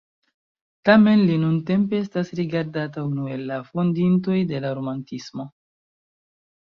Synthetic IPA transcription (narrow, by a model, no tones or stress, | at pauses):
tame̞nlinunte̞mpe̞estasɾiɡaɾdataunue̞lːafo̞ndinto̞jde̞laɾo̞mantismo̞